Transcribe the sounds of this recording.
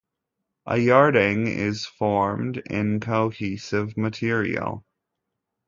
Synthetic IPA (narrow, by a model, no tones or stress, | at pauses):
ʔə̰jɑɹɾɪ̃ŋɪ̰z̥fɔɹmdɪ̰̃nkʰoʊhisɪvmɨtʰɪɹḭl̩ˠ